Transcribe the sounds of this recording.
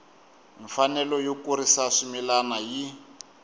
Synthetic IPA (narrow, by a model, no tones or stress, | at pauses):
ɱfanɛlɔjokuɾisaʂimilanaji